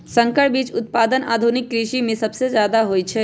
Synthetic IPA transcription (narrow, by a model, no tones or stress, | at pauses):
sə̃ŋkəɽbiːt͡ʃʊt̪̚paːd̪əna̰ːd̪ʱunɪkːɾiʃimẽsɐbsezjaːd̪aɦoːjt͡ʃʰɛ